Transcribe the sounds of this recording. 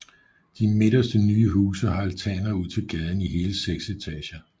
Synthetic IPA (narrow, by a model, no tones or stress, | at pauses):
d̥ime̝ɾ̥ɐsd̥ənyːəɦuːsɐhɑ̈ælt͡sʰɛ̰ːnɐuð̞̰ˠt͡sʰe̝lɡ̥ɛð̞ˠn̩iɦe̝ːləseɡ̥set͡sʰɛɕɐ